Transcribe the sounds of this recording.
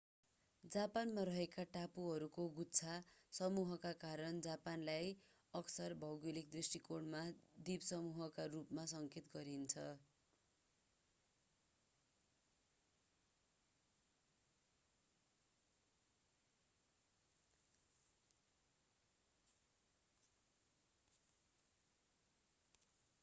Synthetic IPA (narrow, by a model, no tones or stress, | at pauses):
d͡zapanmaɾʌɦekaʈapuɦʌɾukoɡutt͡sʰasʌmuɦʌkakaɾʌnd͡zapanlaj | ʌksʌrbʱʌwɡilik̚d̪risʈikoɽmad̪ibsʌmuɦʌkarupmasʌŋket̪ɡʌɾint͡sʰʌ